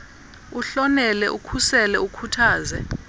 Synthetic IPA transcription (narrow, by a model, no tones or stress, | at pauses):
uɬɔnɛlɛʔukʰusɛlɛukʰutʰaːzɛ